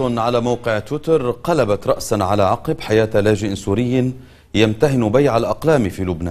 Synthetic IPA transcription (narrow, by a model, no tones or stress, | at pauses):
ʊnʕalaːmawqɪʕt̪wɪt̪ɑɾˤqɑlabat̪ɾˤɑʔsaʕalaːʕɑqɨbħajaːt̪laːd͡ʒɪʔsuːɾɪjː | jamt̪ahɪnbajʕalʔɑqlaːmfiːlʊbnaː